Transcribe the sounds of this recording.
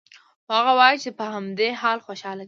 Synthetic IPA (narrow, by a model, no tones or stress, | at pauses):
ohaɣawɑjit͡ʃepəhamd̪eɦɑlxoʃɑla